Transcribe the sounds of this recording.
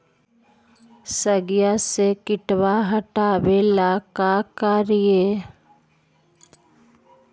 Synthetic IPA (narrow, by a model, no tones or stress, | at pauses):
səɡjasekɪʈwaɦɐʈaːwelakakaːɾije